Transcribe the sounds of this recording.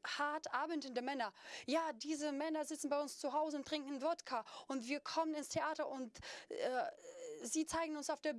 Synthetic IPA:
haɐtʔaːbəntəndəmɛnɐjaːdiːzəmɛnɐzɪt͡sn̩baɪʊnst͡suɦaʊzəʊnt̚d̥ʁ̥ɪŋkŋ̩vɔtkʰaʔʊntv̥iːɐkʰɔmənɪnstʰeʔaːtɐʔʊntʔɛːziːt͡saɪɡŋ̩ʊnsaʊfd̥eːɐb

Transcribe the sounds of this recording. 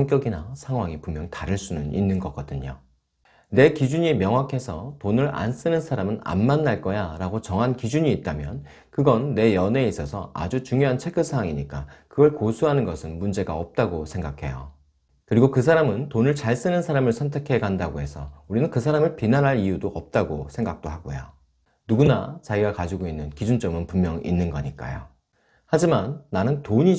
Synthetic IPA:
ŋk͈jʌɡina̰sʰaŋɦwaŋipumjʌŋtaɾɯɭs͈unɯnḭnːɯnɡʌk͈ʌdɯɲo̰ | ne̞kid͡ʑuɲimjʌŋɦwakʰe̞sʰʌtonɯɾa̰ns͈ɯnɯnsʰaɾamɯna̰nmanːaɭk͈ʌjaɾaɡot͡ɕʌŋɦankid͡ʑuɲiːt̚t͈amjʌn | kɯɡʌnːe̞jʌne̞is͈ʌsʰʌa̰d͡ʑut͡ɕuŋjoɦant͡ɕʰe̞ɡʰɯsʰawaŋiɲik͈akɯɡʌɭkosʰuɦanɯnɡʌsʰɯnmund͡ʑe̞ɡa̰ʌp̚t͈aɡosʰe̞ŋɡakʰe̞̰jo̰ | kɯɾiɡokɯsʰaɾamɯntonɯɭt͡ɕaɭs͈ɯnɯnsʰaɾamɯɭsʰʌntʰe̞kʰe̞ɡandaɡoe̞sʰʌuɾinɯnkɯsʰaɾamɯɭpinanɦaɾijudoʔʌp̚t͈aɡosʰe̞ŋɡak̚t͈oɦaɡo̰jo̰ | nuɡunat͡ɕaiɡakad͡ʑiɡoinːɯnkid͡ʑunt͡ɕ͈ʌmɯnpummjʌŋḭnːɯnɡʌɲik͈a̰jo̰ | had͡ʑimanːanɯntoɲi

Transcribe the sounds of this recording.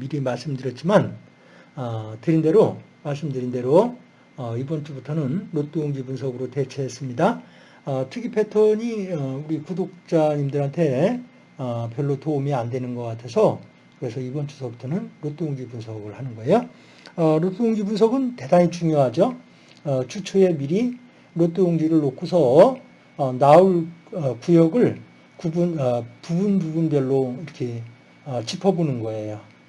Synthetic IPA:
miɾimaɭs͈ɯmdɯɾjʌt̚t͡ɕ͈iman | ʌtɯɾinde̞ɾomaɭs͈ɯmdɯɾinde̞ɾo | ʌibʌnt͡ɕ͈ubutʰʌnɯnɾot͈ouŋɡibunsʰʌɡɯɾote̞t͡ɕʰe̞es͈ɯmɲida | ʌtʰɯɡipʰetʰʌɲiʌuɾikudok̚t͡ɕ͈aɲimdɯɾɦantʰe̞ | ʌpjʌɭːotoumiandwe̞nɯnɡʌk͈atʰe̞sʰʌ | kɯɾe̞sʰʌibʌnt͡ɕu̥sʰʌbutʰʌnɯnɾotʰojoŋd͡ʑibunsʰʌɡɯɭhanɯnɡʌe̞jo | ʌɾotʰojoŋd͡ʑibunsʰʌɡɯnte̞daŋit͡ɕuŋjoɦad͡ʑo | ʌt͡ɕʰut͡ɕʰoe̞miɾi | ɾot͈ʰojoŋd͡ʑiɾɯɭːokʰusʰʌ | nauɭʌkujʌɡɯɭ | kubunpubunbubunbjʌɭːoiɾʌkʰe̞ | ʌt͡ɕipʰʌbonɯnɡʌe̞jo

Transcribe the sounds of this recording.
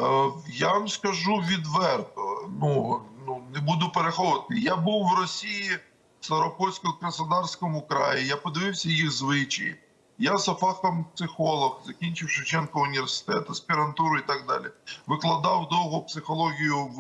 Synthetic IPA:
jaʋɐmskɐʒuʋʲid̪ʋɛrt̪ɔnununebud̪ʊpeɾexɔʋɐt̪ɪjabuwːwɾɔsʲiji | sɐɾɔpɔsʲkɔkɾɐsɐd̪ɑrsʲkɔmʊkɾɑ̰jijapɔd̪ɪʋɪwsʲɐjixzʋɪt͡ʃɪ̰j | jasɐfɑkt̪ɔmpsɪxɔlˠɔxzɐkʲinʲt͡ʃɪwʃɪwt͡ʃɛnkɔʊnʲiʋʲersɪ̥t̪ɛt̪ɐsʲpʲiɾɐnt̪uɾʊit̪ɑɡ̚d̪ɑ̰lʲiʋɪklˠɐd̪ɑwd̪ɔwɦʊpsɪxɔlˠɔɣʲijʊw

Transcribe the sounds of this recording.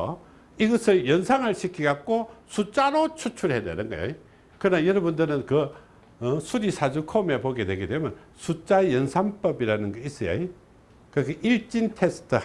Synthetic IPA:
iɡʌsʰɯɭjʌnsʰaŋɯɭɕʰikʰiɡak̚k͈osʰut͡ɕ͈aɾot͡ɕʰut͡ɕʰuɭhedḛɾɯnɡʌ̰jo̰i | kɯnajʌɾʌbundɯɾɯnkɯ | sʰuɾisʰad͡ʑukʰome̞poɡedwe̞ɡedwemjʌn | sʰut͡ɕ͈aejʌnsʰaŋp͈ʌbiɾanɯnɡʌis͈ʌjo̰i | kɯkɯiɭt͡ɕ͈intʰestʰɯ

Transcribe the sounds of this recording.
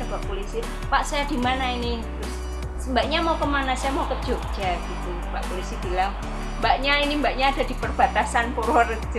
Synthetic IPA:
abaʔpolisi | paʔsajad̥i̤manainit̪ɾʊs | əmbaʔ̚ɲamaukəmanasajamaukə̥d͡ʒ̥ʊk̚d͡ʒaɡ̥it̪u | paʔpolisib̥ilaŋ | mbaʔɲainimbaʔɲaːd̥a̤di̤pərb̥a̤t̪asanpoɾwər

